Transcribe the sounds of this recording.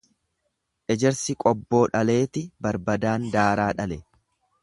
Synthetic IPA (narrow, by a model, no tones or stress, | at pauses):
ʔɛd͡ʒɛɾsɪkʼɔbːo̞ːᶑɐle̞ːt̪ɪbɐɾbɐd̪aːnd̪aːɾaːᶑɐlɛ